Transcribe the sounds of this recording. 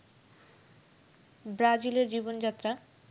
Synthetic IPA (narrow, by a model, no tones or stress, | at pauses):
bɾad͡ʑileɾd͡ʑibond͡ʑat̪ːɾa